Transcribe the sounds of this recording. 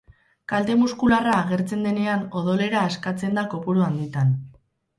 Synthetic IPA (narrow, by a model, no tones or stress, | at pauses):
kalt̪e̞muskularaːɣe̞ɾt͡se̞nd̪e̞neano̞ðo̞le̞ɾaːskat͡se̞nd̪ako̞puɾuand̪it̪an